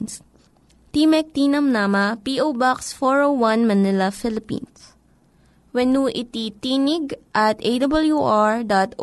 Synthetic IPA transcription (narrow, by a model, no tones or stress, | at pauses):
s | t̪imɛk̚t̪inɐmnamɐpiʔowbaksfɔɹowwɐ̃nmɐnɪlɐfɪlɪpḭ̃ns | wɛnuʔit̪it̪inɪɡʔɐt̪ejd̪ɐbɐljuʔaɹd̪at̪ʔ